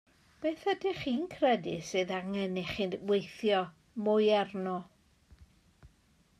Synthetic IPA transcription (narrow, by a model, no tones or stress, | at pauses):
b̥eːθədɪχiːnkʰrɛdɪsɨðaŋɛnɛχɪnwejθjɔ | mʊjɛrnɔ